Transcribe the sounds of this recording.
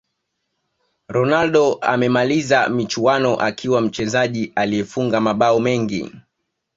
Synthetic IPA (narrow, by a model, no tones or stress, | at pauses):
ɾɔnalɗɔa̰mɛmalizamit͡ʃuanɔʔakʰiwam̩t͡ʃɛzaʄiʔaliɛfuŋɡamaɓaɔmɛŋɡḭ